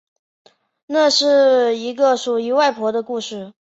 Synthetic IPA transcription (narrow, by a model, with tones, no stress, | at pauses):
na˥˧ʂɻ̩˥˩i˧˥ɡə˧ʂu˨˩i˧˥wa˥˩ɪpʰwɔ˧˥d̪ə˧ku˥˧ʂɻ̩˥˩